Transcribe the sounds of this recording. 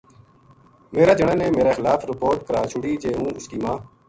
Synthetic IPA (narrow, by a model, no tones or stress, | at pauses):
meːɾaːd͡ʒəɳãːnẽːmeːɾeːxɪlaːfɾɪpoːɾʈkəɾaːt͡ʃʰʊɽiːd͡ʒeːũːʊskiːmãː